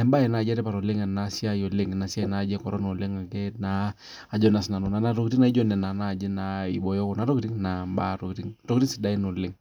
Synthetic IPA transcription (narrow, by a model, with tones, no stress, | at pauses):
ɛ˨mba˦ɛ˨na˨d͡ʒɛ˦ɾɛ˦pa˨ɾɔ˨lɪ˦ŋɛ˨na˨si˦a˦jɔ˨le˦ŋ˨na˨si˦a˦i˨na˦˨d͡ʒɛ˦kɔ˨ɾɔ˦no˨le˦ŋa˨ɡɛ˦naː˨˦˨ | d͡ʒɔ˦na˨sna˨nɔ˨na˨na˦ɾo˨ki˨ti˦na˨i˦d͡ʒɔ˦nɛ˨na˨na˦˨d͡ʒɛ˦na˨ḭ˨ɓɔ˨jɔ˦kɔ˨na˨ɾo˦ki˨ɾi˦ŋna˨mba˦ɾo˨kti˦ŋɾo˦ki˦ɾi˦si˨da˦i˦no˨lɪ˦ŋ